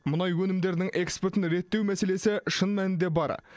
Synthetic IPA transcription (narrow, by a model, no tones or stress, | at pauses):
mʊnɑjwɵnɪmd̪e̞ɾd̪ɪŋʔe̞kspeɾt̪ɪnɾe̞t̪ːe̞wmæse̞le̞sɪʃənmænɪnd̪e̞bɑ̰ɾ